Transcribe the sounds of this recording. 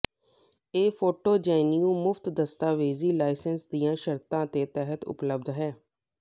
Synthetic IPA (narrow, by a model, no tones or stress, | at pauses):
eːpʰoːʈoːd͡ʒɛːniũːmʊfʰt̪d̪əst̪aːʋeːziːlaːɪsənsd̪ijãːʃəɾt̪ãːt̪eːt̪ɛɦət̪ʊ̰pləb̚d̪ɦɛː